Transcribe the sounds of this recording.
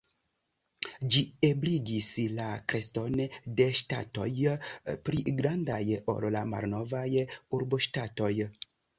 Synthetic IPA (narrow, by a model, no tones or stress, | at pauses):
d͡ʒiebliɡislakɾe̞sto̞nde̞ʃta̰to̞̰jpɾiɡɾandajo̞̰llama̰lno̞vajuɾboʃtato̞j